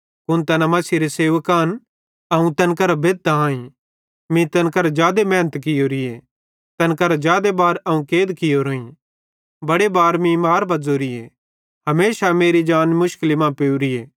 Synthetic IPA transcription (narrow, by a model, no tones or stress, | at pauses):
kʊnt̪ɐnamɐsiɾeseːʋəkaːn | ɐũt̪ɐnkɐɾabeːd̪̚aãːĩ | mĩt̪ɐnkɐɾad͡ʒjaːd̪emɛ̃ːnət̪kɪjoɾɪe | t̪ɐnkɐɾad͡ʒjaːd̪ebaːɾɐũkeːd̪kɪjoɾoːĩ | bɐɽebaːɾmĩmaːɾbɐd͡zoːɾɪje | ɦɐmeːʃameːɾid͡ʒaːnmʊʃkɪlimãːpeːuɾɪjeː